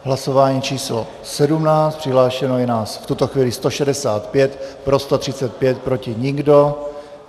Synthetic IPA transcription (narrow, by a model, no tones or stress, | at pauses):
ɦlaso̞vaːɲiːt͡ʃiːslo̰ | sɛdumnaːt͡st̪pr̥ɪɦlaːʃɛnojɛnaːsft̪ut̪oxviːlɪst̪o̞ʃɛdɛsaːt̪pjɛt̪pɾo̞st̪ot̪r̥ɪt͡sɛt̪̚pjɛt̪̚pɾo̞cɪɲɪɡdo̞